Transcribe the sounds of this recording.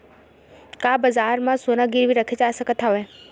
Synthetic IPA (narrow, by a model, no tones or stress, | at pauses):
kaːbɐzaːɾmãsoːnaɡiɾʋiɾɐkʰet͡ɕaːsəkət̪ʰaʋe